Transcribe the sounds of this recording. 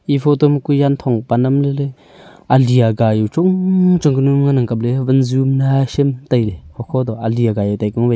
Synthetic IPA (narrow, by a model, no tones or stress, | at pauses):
ʔifʰɔt̪ɔmkujant̪ʰɔŋpanamlele | ʔaliaɡajuwt͡ʃuŋt͡ʃɔŋkənumŋanaŋkap̚levənzumnaʃimt̪ajlekʰɔkʰɔd̪ɔʔaliaɡajat̪ajkɔŋbe